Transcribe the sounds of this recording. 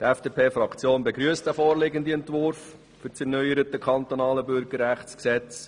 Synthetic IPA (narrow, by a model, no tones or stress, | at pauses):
t̪ɛfd̥eːpʰeːfɾɑkt͡sjoːnbeɡɾyːəst̚d̥æfɔːɾlɪɡəndiɛntʋʊɾf | fʏɾt͡sɛɾnœʏəɾət̪əkʰɑnt̪ɔnɑːləbʏɾɡəɾɾæχt͡sksɛt͡s